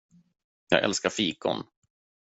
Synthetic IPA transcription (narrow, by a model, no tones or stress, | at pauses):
jɑːɡɛ̰lskaɾfiːkʊ̰n